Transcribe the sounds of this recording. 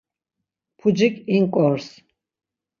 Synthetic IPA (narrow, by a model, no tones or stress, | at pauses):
pʰud͡ʒikʼiŋkʼɔɾs